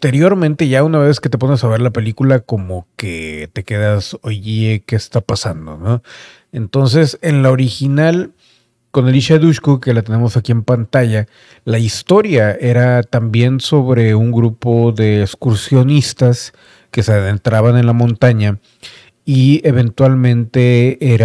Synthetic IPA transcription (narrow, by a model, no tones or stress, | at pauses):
t̪eɾjo̞ɾmẽnt̪e̞ʝaunaβe̞sket̪e̞po̞nesaβe̞ɾlape̞likulako̞mo̞ke̞̰t̪e̞ke̞ðasoʝiekeːst̪apasand̪o̞̰no̞ | ent̪o̞ns̬e̞se̞nlao̞ɾixinal | ko̞ne̞liʃaðuʃkoke̞lat̪e̞ne̞mo̞sakie̞mpant̪aʝa | laist̪o̞ɾjae̞ɾat̪ambje̞nso̞βɾe̞uŋɡɾupo̞ðe̞ːkskuɾsjo̞nist̪as | ke̞seðent̪ɾaβane̞nlamõ̞nt̪aɲa | ie̞βe̞nt̪walmẽ̞nt̪e̞eɾ